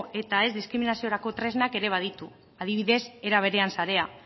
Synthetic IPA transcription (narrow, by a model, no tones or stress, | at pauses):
e̞t̪ae̞zd̪iskɾiminasio̞ɾako̞t̪ɾe̞znake̞ɾe̞β̞að̞it̪u | aðiβiðe̞se̞ɾaβ̞e̞ɾe̞ansaɾe̞a